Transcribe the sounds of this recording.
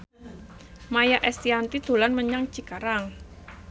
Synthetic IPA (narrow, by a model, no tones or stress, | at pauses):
majaʔɛst̪iant̪id̪̥o̤lanməɲaŋt͡ʃikaɾaŋ